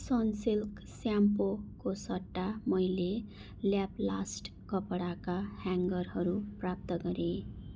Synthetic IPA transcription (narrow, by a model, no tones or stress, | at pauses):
sʌnsilk | sjampokosʌʈːamʌjle | ljapla̰sʈkʌpɽakahaŋɡʌrɦʌɾuprap̚t̪ʌɡʌɾe